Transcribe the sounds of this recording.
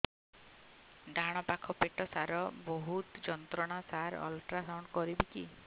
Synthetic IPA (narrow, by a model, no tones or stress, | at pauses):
ɖʱaɽ̃ɔpakʰɔpeʈɔsaɾɔboɦut̪d͡ʒɔnt̪ɾɔɽ̃asaɾɔ̰lʈɾasawɳɖkɔɾibiki